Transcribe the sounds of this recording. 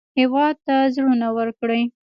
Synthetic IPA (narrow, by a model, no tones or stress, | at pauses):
hɪwɑd̪̚t̪azɽunawəɾkɽəj